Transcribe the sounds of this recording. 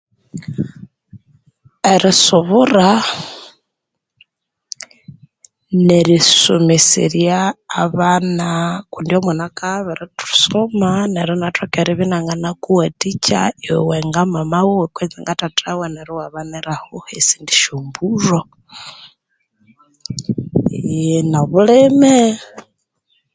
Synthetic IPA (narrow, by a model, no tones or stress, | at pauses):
eɾisuβura | neɾisumisḭɾjaːβanakundiomwanakaβɛɾitʰu̥somaneɾonatwokeɾiβinaŋɡanakuwatit͡ʃa̰iwḛweŋɡamamawowekwent͡siŋɡatatʰawaneɾiwaβaneɾahohesindi̥ʃumburo | naβuleme